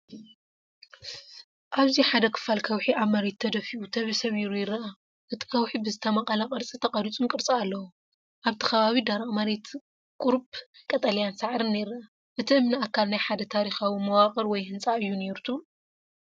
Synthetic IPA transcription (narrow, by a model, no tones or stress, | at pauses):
ʔaβziħad̪ɐkʰɨ̥falkʰɐwħiaβmɐɾe̞t̪ʰːɐd̪ɐfiʔut̪ʰɐβɐsɐβiɾujɪɾːɐa | ʔɨt̪ʰi̥kʰɐwħibɨzɨt̪ʰɐmɐqʼɐlɐqʼɨɾt͡sʼit̪ʰɐqʼɐɾit͡sʼunkʼɨɾt͡sʼialːɐwu | ʔaβt̪ʰɨ̥kʰɐβaβid̪aɾamɐɾe̞t̪ | kʼuɾbkʼɐt̪ʼɐlijansaʕɾɨnːejɾɐa | ʔɨt̪ʰiɨmniakʰːalnajħad̪ɐt̪ʰaɾixawimɐwaχʼɨɾwɔjhɨnt͡sʼaʔɨjːune̞ɾut̪ʰu